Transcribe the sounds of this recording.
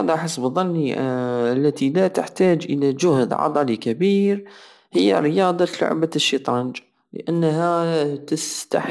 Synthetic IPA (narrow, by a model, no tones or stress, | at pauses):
ɑd̪ˤɑʔaħɪsːbðˤːɑnːiʔalːat̪ilat̪ɪħt̪aːd͡ʒʔɪlad͡ʒʊhd̪ʕɑ̰d̪ˤɑlikabiːɾ | hɪjːa̰ɾɪjɑːd̪ˤɑlʊ̰ʕbaʃːit̪ˤɾˤɑnd͡ʒ | lɪ̰ʔanːɦat̪ɪst̪a̰